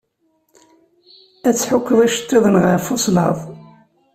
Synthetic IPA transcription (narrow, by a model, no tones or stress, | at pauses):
æt͡sːħʊkːəðˤæʃə̥t̪ːiðˤənʁəɾfʊslhə̰ðˤ